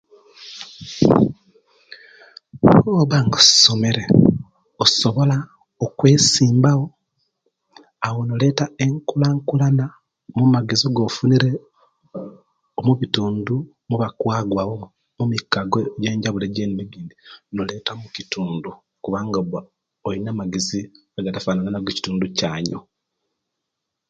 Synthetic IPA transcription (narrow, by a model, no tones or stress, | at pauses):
oβaŋɡosome̞ɾe | oso̞βo̞la | okwe̞siːmbawo̞ | awo̞nole̞ːtae̞ŋkulaŋkulana | mumaɡe̞zoɡofuniɾe̞ | omuβituːndu | muβakwaːɡwaβo | mumikːaɡojeːɲɟaβuleɟeːniniɡiːndinole̞ːtamucituːndu | kuβaːŋɡaβa | ojinaːmaɡezi | aɡatafaːnananaɡeci̥tuːnducaːɲo̰